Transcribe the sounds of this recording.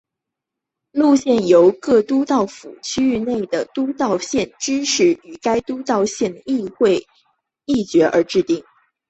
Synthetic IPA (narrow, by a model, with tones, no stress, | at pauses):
lu˥˧ɕjɛ˥˩njo˧˥ʊkɤ˥˧t̪u˥t̪ɑ˥˩ʊfṵ˨˩t͡ɕʰy˥y˥˧ne˥˩ɪd̪ə˩t̪u˥t̪ɑ˥˧ʊɕjɛ˥˩nʈ͡ʂɻ̩˥ʂɻ̩˥˩y˨˩ka˥ɪt̪u˥t̪ɑ˥˧ʊɕjɛ˥˩nd̪ə˩i˥˧xwe˥˧ɪ | i˥˩t͡ɕɥɛ˧˥ʔə̰˞˧˥ʈ͡ʂɻ̩˥˧t̪i˥˩ŋ